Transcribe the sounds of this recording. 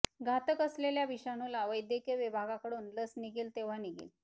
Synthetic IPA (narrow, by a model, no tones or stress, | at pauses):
ɡʱat̪əkəsleljaʋiʂañulaʋəjd̪jəkjəʋibʱaɡakəɽuːnləsniɡiːlt̪eʋ̤aniɡḭl